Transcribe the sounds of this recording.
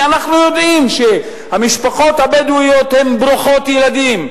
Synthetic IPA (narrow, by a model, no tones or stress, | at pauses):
anaχnujo̞d̪imʃe | hamiʃpaχo̞t̪habed̪uijot̪he̞mbʁuχo̞t̪jelad̪im